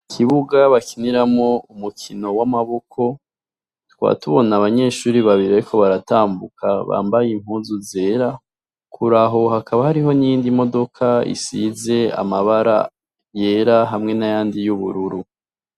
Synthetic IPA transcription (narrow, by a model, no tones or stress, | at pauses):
kʰiβuɡaβakiniɾamŋo̞umukʰino̞wamaβo̞kʰo̞ | twa̰ːtuβo̞naβaɲe̞ːʃuːɾiβaβiɾiaɾiko̞βaɾataːmbukʰaβa̰ːmbajim̥huːnzuze̞ːɾa | kʰuɾaɦo̞hakʰaβahaɾiɦo̞niiːndimo̞do̞kʰaḭsize̞a̰maβaɾa̰ | je̞ːɾaɦamŋe̞najaːndijuβuɾuɾu